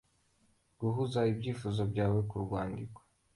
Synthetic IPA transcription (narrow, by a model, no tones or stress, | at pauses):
ɡ̥uɦuzaibɟiːfuzabɟaːwekuɾɡwaːndikwḁ